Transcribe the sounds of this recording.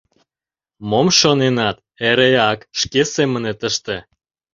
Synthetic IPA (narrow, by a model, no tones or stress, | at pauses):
momʃonenɑt̪ | eɾeɑkʃkesemənet̪əʃt̪e